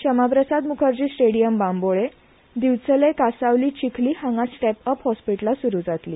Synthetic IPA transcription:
ɕəmapɾəsad̪mukʰəɾt͡ɕiːsʈeɽijəmbãmboɭe | d̪iʋt͡səlekasaʋliːt͡ɕikʰliːhãŋɡasʈɛpəphɔspiʈlasuɾuːd͡zat̪liː

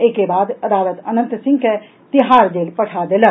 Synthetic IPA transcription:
eːkebaːd̪ɐd̪aːlət̪ɐnə̃nt̪sɪ̃ŋɡke | t̪ɪɦaːɾd͡ʒeːlpɐʈʰad̪eːlə

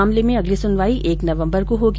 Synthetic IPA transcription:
aːmlemẽɐɡlisʊnʋaːiʔeːknɐʋə̃mbəɾkoɦoːɡ

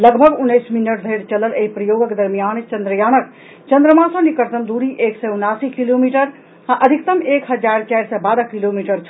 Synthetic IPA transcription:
lɐɡbʱɐɡunːɐjsminəʈd̪ʱɐjɾt͡ʃɐləleipɾɐjoːɡəked̪ɐɾmijaːnt͡ʃɐ̃nd̪ɾəjaːnɐk̚ | t͡ʃɐ̃nd̪ɾəmaːsõnikəɾt̪ɐmd̪uːɾiʔeːksɛunaːsiːkiloːmiːʈɐɾ | ãʔɐd̪ʱikt̪ɐmeːkɦɐd͡ʒaːɾt͡ʃaːjɾsɛːbaːd̪ɐkiloːmiːʈɐɾt͡ʃʰ

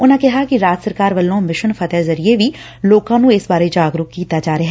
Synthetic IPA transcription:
ʊnãːkɪɦaːkiɾaːd͡ʒ̪səɾkaːɾʋəlːõːmɪʃənfʰət̪ɛːzɐɾieʋiː | loːkãːnũːɪsbaːɾed͡ʒaːɡɾʊkkːiːt̪aːd͡ʒaːɾeɦɛ

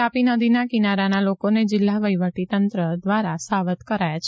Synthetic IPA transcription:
apinəd̪inakinaɾanalokoned͡ʒɪlːaʋəjʋəʈit̪ənt̪ɾəd̪ʋaɾasaʋət̪kəɾajat͡ʃʰ

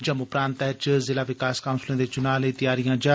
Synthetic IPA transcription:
d͡ʒəmʊpɾãːnt̪ɛɦt͡ʃzɪlaːʋɪkaːskaːʊnslẽːd̪eːt͡ʃʊnaːlet̪ɪjaːɾijãːd͡ʒaː

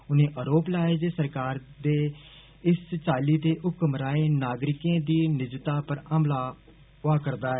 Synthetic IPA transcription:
ʊnẽːʔəɾoːplaːeːd͡ʒeːsəɾkaːɾd̪eː | ɪst͡ʃaːliːt̪eːʔʊkəmɾaːeːnaːɡɾɪkẽːd̪iːnɪd͡ʒt̪aːpəɾəmlaː | ʊaːkəɾd̪aːɛː

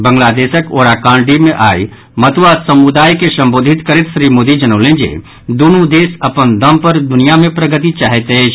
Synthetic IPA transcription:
bə̃ŋɡlaːd̪eːʃəkoːɾaːkãːɳɖimẽʔaːi | mɐt̪uwaːsɐmud̪aːjkesɐ̃mboːd̪ʱɪt̪kəɾɪt̪ʃɾiːmoːd̪id͡ʒɐnəʊlẽd͡ʒḛː | d̪unud̪eːsɐpənd̪əmpɐɾd̪ʊnijamẽpɾəɡət̪it͡ʃaːɦet̪ɦe

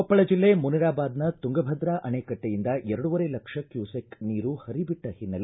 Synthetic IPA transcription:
ɔpːɐɭɐd͡ʒilːe̞muniɾaːbaːd̪nɐt̪uŋɡɐbʱɐd̪ɾaʔɐneːkɐʈːejind̪ɐʔɛɾɐɽuʋɐɾelɐkʂɐkjuːsekniːɾuhɐɾibiʈːɐhinːɐl

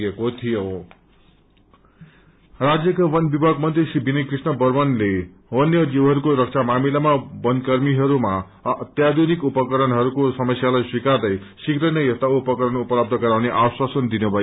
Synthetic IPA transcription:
ekot̪ʰijo | rad͡zjʌkawʌnbibʱaɡmʌnt̪risibʱinʌkrisnʌbʌrmʌnle | ʌnjʌd͡ziwɦʌɾukoɾʌk̚t͡sʰamamilamabʌnd̪kʌrmiɦʌɾuma | t̪jad̪unikupʌkʌɾʌnɦʌɾukosʌmʌsjalajswikard̪ʌj | sikɾʌnʌjʌst̪aupʌkʌɾʌnupʌlab̚d̪ʱʌɡʌɾawneʔaswasʌnd̪inubʱʌ

